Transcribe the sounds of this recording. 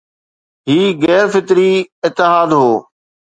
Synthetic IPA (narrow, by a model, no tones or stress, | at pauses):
ɦiːɣɛːɾfɪt̪ɾiːɪt̪ːɪɦaːd̪ɦoː